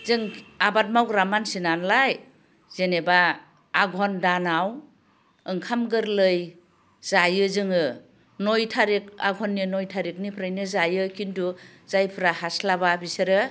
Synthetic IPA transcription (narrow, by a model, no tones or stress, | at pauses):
zɯŋabat̚mawɾamansinanlaj | z̥enebaː | ɡʱɔndanaw | ɯŋkʰamɡɯɾlɯj | z̥ajɯzɯŋɯ | nojtʰaɾik̚a̰ɡʱɔnːinɔjtʰaɾik̚nipʰɾajnɯzajɯkintuz̥ajpʰɯɾahaslababiseɾɯ